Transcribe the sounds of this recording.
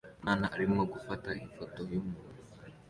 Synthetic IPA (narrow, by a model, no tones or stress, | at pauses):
maːnaʔːɾimoɡufataifoto̞jumuːnu